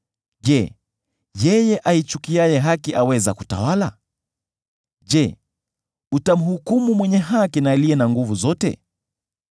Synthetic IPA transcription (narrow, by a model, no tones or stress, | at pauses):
ʄɛ | jɛjɛʔait͡ʃukiajɛɦakiʔawɛza̰ku̥ta̰wala | ʄɛ | utam̩hukumumwɛɲɛɦakinaːliɛnaŋɡuvuzɔtɛ̰